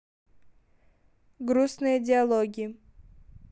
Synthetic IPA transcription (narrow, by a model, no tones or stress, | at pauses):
ɡɾusnɨjədʲɪɐlˠoɡʲɪə